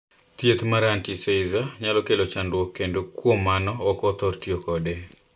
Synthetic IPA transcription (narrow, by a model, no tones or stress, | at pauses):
t̪jet̪maɾantiseizaɲalɔkelot͡ʃandwɔkːendokwomːanɔɔkɔt̪ɔrtjokɔde